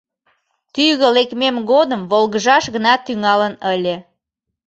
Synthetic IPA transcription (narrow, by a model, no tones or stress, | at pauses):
t̪yjɣəlekmemɣod̪əmβolɣəʒɑʃɣənɑt̪ːyŋɑlənəlʲe